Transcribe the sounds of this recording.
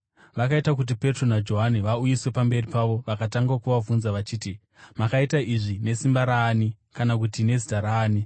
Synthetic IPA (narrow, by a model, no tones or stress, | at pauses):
ʋakaitakut̬ipe̞tro̞nad͡ʒo̞ɦaniʋaujiswe̞pambe̞ripaʋo̞ʋakataŋɡakuʋavunzaʋat͡ʃiːti | makaitaʔiʐine̞simbaɾaːni | kanak̬utine̞zitaɾaːni